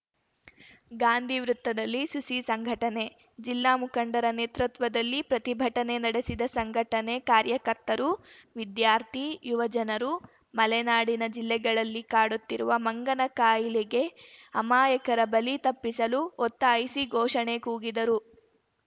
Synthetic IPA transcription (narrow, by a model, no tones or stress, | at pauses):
ɡaːnd̪ʱiʋɾut̪ːɐd̪ɐlːisusisɐŋɡʱɐʈɐne̞ | d͡ʒilːaːmukʰɐɳɖɐɾɐneːt̪ɾut̪ʋɐd̪ɐlːipɾɐt̪ibʱɐʈɐne̞nɐɽesid̪ɐsɐŋɡʱɐʈɐne̞kaːɾjɐkɐɾt̪ɐɾuʋid̪jaːɾt̪ʰijuʋɐd͡ʒɐnɐɾu | mɐlɛnaːɽinɐd͡ʒilːɛɡɐɭɐlːikaːɽut̪ːiɾuʋɐmɐŋɡɐnɐkaːjiliɡe̞ɐmaːjɐkɐɾɐbɐlit̪ɐpːisɐluɔt̪ːɐːjsiɡʱɔːʂɐne̞kuːɡid̪ɐɾu